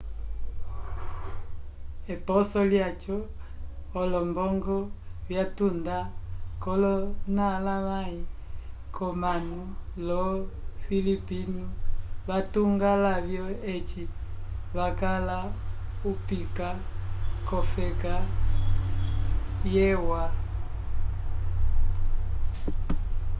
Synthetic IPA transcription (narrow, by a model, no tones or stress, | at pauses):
ɛpɔsɔljat͡ʃɔː | lɔmbɔŋɡɔβjatundakɔlɔnalamaikʰɔmanulɔfilipinuβatuŋɡalaβjɔet͡ʃiβakalaupikakɔfɛka | jɛwa